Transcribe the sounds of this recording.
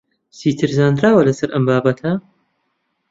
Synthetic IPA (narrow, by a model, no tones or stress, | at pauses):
siːt̪ʰɨɾzaːnd̪ɾaːwɐlɐsɐɾʔɐmbaːbɐt̪ʰa